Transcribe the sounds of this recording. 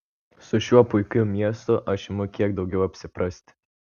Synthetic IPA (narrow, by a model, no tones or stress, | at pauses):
sʊʃʲuɔpʊɪkʲʊmʲiɛst̪ʊʔɐʃɪmʊkʲiɛɡd̪ɒʊɡʲɛʊɐpʲsʲɪpɾɐsʲt̪ʲ